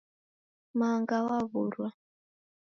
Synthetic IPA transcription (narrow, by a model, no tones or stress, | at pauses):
maŋɡawaβuɾwa